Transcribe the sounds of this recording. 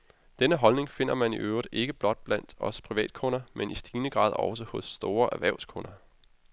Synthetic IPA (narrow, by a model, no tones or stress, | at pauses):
d̥enəɦɒ̽lne̝ŋfe̝n̰ɐmænḭʔøʊʁidˠʔe̝ɡ̥əb̥lɒ̽d̥̚b̥læn̰d̥ɒ̽spʰʁiʋɛ̰ːd̥̚kʰonɐmenisd̥iːnəɡ̥ʁɑ̰̈ːð̞̰ˠɒ̽s̬əhɔ̽sːd̥o̝ːɐʔæʋæɐʊskʰonɐ